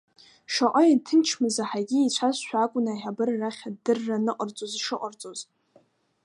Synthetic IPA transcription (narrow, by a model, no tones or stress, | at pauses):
ʂaʔʷʼəjatʰɨnt͡ʃʰmɨzaħaɡʲiit͡ɕʷʰazʃʷᶣakʷʼʊnaħabɨrːaχʲadɨrːanɨqʼərt͡sʼozʂɨqʷʼərt͡sʼoz